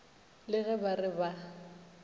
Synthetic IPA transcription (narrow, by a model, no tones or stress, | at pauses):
lɪɣɛbarɪba